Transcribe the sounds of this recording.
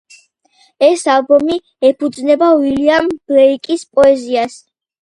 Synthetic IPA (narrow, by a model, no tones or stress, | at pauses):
ɛsalˠbɔmi | ɛpʰud̪znɛbawiliamb̥ɾɛikʼispʼɔɛzias